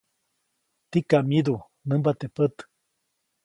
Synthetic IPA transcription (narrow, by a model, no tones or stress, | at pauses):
t̪ikaʔmid̪u | nəmbat̪epət̪